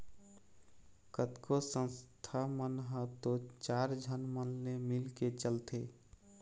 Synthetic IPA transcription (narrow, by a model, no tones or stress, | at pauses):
kət̪kosə̃nst̪ʰamənɦət̪ot͡ʃaɾd͡ʒʱənmənːemilket͡ʃəlt̪e